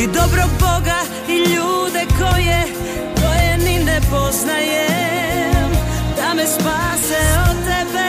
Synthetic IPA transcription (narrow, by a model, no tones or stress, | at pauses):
id̪obɾoboɡa | iʎuːd̪ɛkojɛ | kojɛninɛpoznaje | d̪amɛspaːsɛot̪ɛbɛ